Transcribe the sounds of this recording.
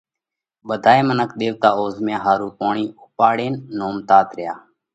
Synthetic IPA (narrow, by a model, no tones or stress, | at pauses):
ɓəd̪ʱaːeːmənəkɗ̪eːʋt̪aːoːzmjãːɦaːɾuːpoːɳiːʊpaːɽeːnːoːmt̪aːt̪ɾɪjaː